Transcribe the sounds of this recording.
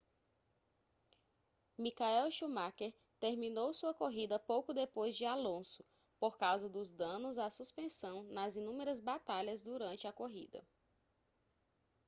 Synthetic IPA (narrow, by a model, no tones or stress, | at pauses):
mikaɛwʃumakeɾ | t̪eɾmĩnowsuɐkoɦid̪ɐpowkʊd̪epojzd͡ʒɪalõsʊ̥ | poɾkawzɐd̪ʊzd̪ɐ̃nʊzasuspẽsɐ̃w̃nɐzinũmeɾɐzbat̪aʎɐzd̪uɾɐ̃nt͡ʃɪɐkoɦḭd̪ɐ̰